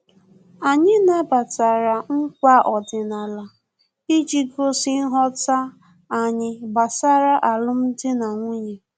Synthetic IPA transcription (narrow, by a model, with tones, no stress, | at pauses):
a˨ɲɪ˦na˦ba˨ta˨ɾa˨ŋ̩˦kʷa˦ʔɔ˨dɪ˨na˨la˨ | i˦d͡ʒi˦ɡo˦si˦n̩˦ɦɔ˦ta˦ | a˨ɲɪ˦ba˨sa˦ɾa˦ʔa˨lʊ˦m̩˦dɪ˦na˨ŋʷi˦ɲe˨